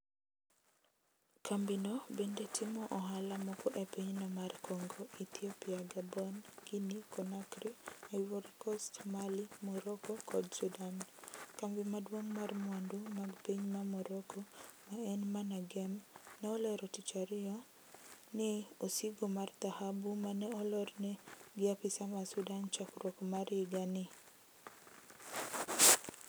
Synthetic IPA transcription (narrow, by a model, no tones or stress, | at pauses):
kambinɔbendetʰɪmɔʔɔɦalamɔkɔʔepiɲnɔmarkoŋɡoʔit̪iɔpiaɡabɔnɡinikɔnakɾiajwoɾkɔstmalimɔɾɔkɔkʰɔdsudankambimadwoŋmarmwandumaɡpiɲmamɔɾɔkʰɔmaɛnmanaɡɛmnɛɔlɛɾɔtɪt͡ʃaɾjɔ | nɪosiɡomart̪ahabumanɛɔlɔrnɛɡɪapɪsamasudant͡ʃakɾwɔkmaɾɪɡanɪ